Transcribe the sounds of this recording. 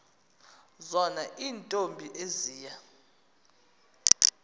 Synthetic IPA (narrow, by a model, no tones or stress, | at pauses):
zɔnaʔiːntʼombʱiʔeziːja